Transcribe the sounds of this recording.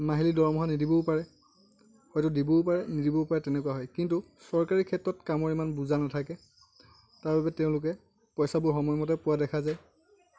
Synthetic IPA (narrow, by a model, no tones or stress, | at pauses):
maɦilidɔɹmɔɦanidibɔpaɹɛ | hɔjtudibopaɹɛnidibɔpaɹɛtɛnɛkuwaɦɔjkintu | sɔɹkaɹikʰɛtɹɔtkamɔɹimanbuzanatʰakɛ | taɹbabɛteʊ̃lʊk̬ɛ | pɔjsabʊxɔmɔjmɔtɛpʊwadɛkʰazaj